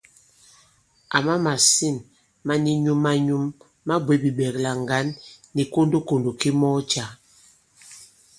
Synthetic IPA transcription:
a̰˨ma˦ma˨si˦˨n | ma˦ni˦ɲu˦mːa˦ɲu˦mː | a˦bwe˨˦bi˨ɓɛ˨kla˨ŋ˨ɡa˨˦nːi˨ko˦ndo˦ko˨ndo˨ki˦mɔ˦t͡ʃa˨˦

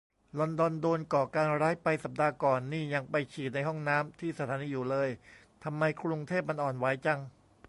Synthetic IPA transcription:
lɔ˧ndɔ˧ndoː˧nkɔː˨˩kaː˧nɾaː˦˥jpa˧jsa˨˩p̚daː˧kɔː˨˩nːiː˥˩ɲa˧ŋpa˧jt͡ɕʰiː˨˩na˧jɦɔ˥˩ŋnaː˦˥mt̪ʰiː˥˩sa˧t̪ʰaː˩˦niː˧juː˨˩lɤː˧j | t̪ʰa˧mːa˧jkʰɾu˧ŋt̪ʰeː˥˩p̚ma˧nʔɔː˨˩nwa˩˦jt͡ɕa˧ŋ

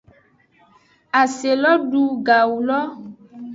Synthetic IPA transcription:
a˨se˨lɔ˦ɖu˨ɡa˨wu˨lɔ˦

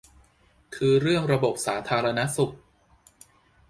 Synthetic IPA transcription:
kʰɯː˧ɾɯ˥˩əŋɾa˧bo˨˩p̚saː˩˦t̪ʰaː˧ɾa˧na˦˥su˨˩k̚

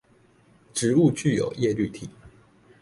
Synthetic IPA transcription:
ʈ͡ʂɻ̩˧˥u˥˧t͡ɕy˥˩jo̰˨˩ʊjɛ˥˧ly˥˩t̪ʰi˨˩˦

